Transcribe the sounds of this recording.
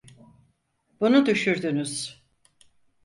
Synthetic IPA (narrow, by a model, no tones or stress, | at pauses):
bunud̪yʃyɾd̪ynyz̥